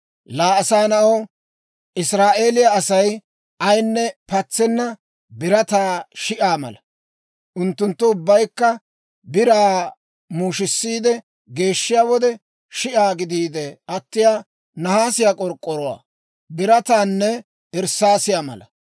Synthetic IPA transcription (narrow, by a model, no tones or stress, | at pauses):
laːɐsaːnɐʔo | ʔɪsɾaːʔe̞ːlɪjaɐsɐj | ʔɐjnːɛpɐt͡sːɛnːɐ | bɪɾɐt̪aːʃɪʔaːmɐ̰lɐ | ʔʊnt̪ːʊnt̪ːʊʊbːɐjkːɐ | bɪɾaː | muːʃɪsːiːd̪ɛ | ɡe̞ːʃːɪjaːwɔd̪ɛ | ʃɪʔaːɡɪd̪iːd̪ɛʔɐt̪ːɪjaː | nɐhaːsɪjaːkʼɔɾkʼːɔɾɔwa̰ː | bɪɾɐt̪aːnːɛ | ɛɾsːaːsɪjaːmɐ̰lɐ̰